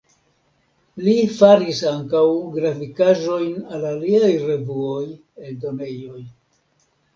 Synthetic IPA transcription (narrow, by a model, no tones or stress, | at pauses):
lifaɾisaŋkawɡɾafikaʒo̞jnalaliajɾe̞vuo̞j | eldo̞ne̞jo̞j